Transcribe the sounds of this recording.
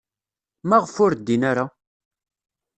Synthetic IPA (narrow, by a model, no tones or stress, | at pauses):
mæʁfʊɾd̪ːinaɾa